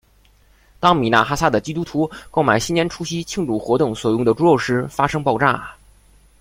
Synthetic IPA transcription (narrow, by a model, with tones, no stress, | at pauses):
t̪ɑ˥ŋmi˨˩na̰˥˩xa˥sa˥d̪ə˩t͡ɕi˥t̪u˥t̪ʰu˧˥ko˥˩ʊma˨˩ɪɕi˥njɛ˥nʈ͡ʂʰu˥ɕi˥t͡ɕʰi˥˧ŋʈ͡ʂu˥˩xwɔ˧˥t̪ʊ˥˩ŋswɔ˨˩jʊ˥˩ŋd̪ə˩ʈ͡ʂu˥o˥˩ʊʂɻ̩˥fa˥ʂɤ˥ŋpɑ˥˧ʊʈ͡ʂa̰˥˩